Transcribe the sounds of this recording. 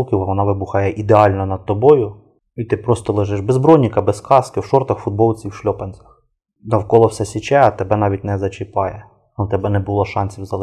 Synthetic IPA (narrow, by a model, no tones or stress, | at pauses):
lˠkʲiwɐʋɔnɑʋɪbuxɑjɛʔid̪eɑlʲnɐnɐd̪̚t̪ɔbɔjʊ | it̪ɪpɾɔst̪ɔlˠɪʒɪʒbezbɾɔjnʲikɐbɛskɑskɪwʃɔrt̪ɐxfʊd̪̚bɔlˠt͡sʲiwʃlʲɔpɐnʲt͡sʲɐ̥x | nɐwkɔlˠɔwsɛsʲɪt͡ʃɛɐt̪ebɛnɑʋʲitʲnɛzɐt͡ʃɪpɑjɛ | nut̪ɛbɛnɛbulˠɔʃɑnʲsʲiwzɐlˠ